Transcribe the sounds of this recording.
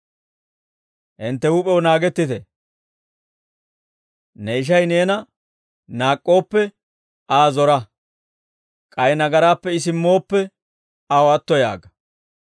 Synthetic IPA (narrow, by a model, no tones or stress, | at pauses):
ʔɪnt̪ːɛwuːpʼɛwnaːɡɛt̪ːɪt̪ɛ | nɛɪʃ̬ɐjne̞ːnɐ | naːkʼːo̞ːpːɛ | aːzɔɾɐ | kʼɐjnɐɡɐɾaːpːɛɪs̬ɪmːo̞ːpːɛ | ɐwɔɐt̪ːɔja̰ːɡɐ